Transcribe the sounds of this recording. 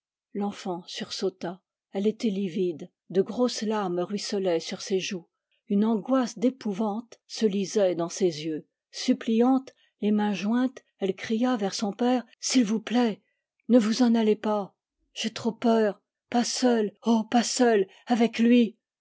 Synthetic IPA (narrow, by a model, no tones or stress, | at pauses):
lɑ̃fɑ̃syʁsot̪a | ɛlet̪ɛlivid̪ | d̪əɡʁoslamʁɥisɔlɛsyʁseʒu | ynɑ̃ɡwasd̪epuvɑ̃t̪səlizɛd̪ɑ̃sezjø | syplijɑ̃t̪ | lemɛ̃ʒwɛ̃t̪ | ɛlkχijavɛʁsɔ̃pɛʁ | silvuplɛ | nəvuzɑ̃nalepa | ʒ̥et̪χopœːʁ | pasœlopasœl | avɛklɥi